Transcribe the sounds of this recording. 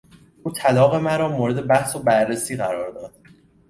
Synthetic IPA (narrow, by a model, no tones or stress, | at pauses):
ʔuːt̪ʰælɒːɣe̞mæɾɒːmoːɾe̞d̪e̞bæhsobæɾːesiːɢæɾɒːɾd̪ɒːd̪̥̚